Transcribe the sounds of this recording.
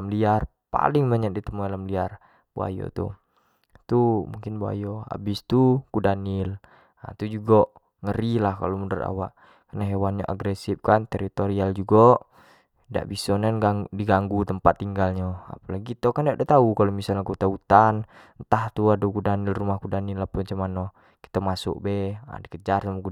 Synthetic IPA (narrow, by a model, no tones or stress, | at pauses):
amliar | pa̰lɪŋbaɲak̚dit̪əmoalamliar | b̥ṵa̰jo̰t̪ṵ | t̪umuŋkɪnbua̰jɔa̰bɪst̪ukudanɪl | a̰t̪ud͡ʒuɡɔ | ŋəɾilahka̰lomundəra̰wa̰ʔ | karnaɦewanɲa̰ʔa̰ɡɾɛsifkant̪ɛɾit̪oɾiald͡ʒuɡɔ | da̰ʔbisɔnɛnɡadiɡaŋɡut̪əmpat̪ːiŋɡalɲɔa̰palaɡit̪okandaʔdɛt̪aukalomisalɲakut̪aut̪an | nt̪aht̪uadukudanilrumahkudanilːahpunt͡ʃumanːɔ | ki̥t̪amasṵʔbɛa̰dikəd͡ʒarsamɔku